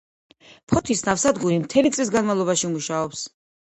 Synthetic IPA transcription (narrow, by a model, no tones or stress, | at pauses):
pʰɔt̪ʰisnafsad̪ɡuɾimt̪ʰɛlit̪sʼlis̬ɡanmavlˠɔbaʃiumuʃaɔps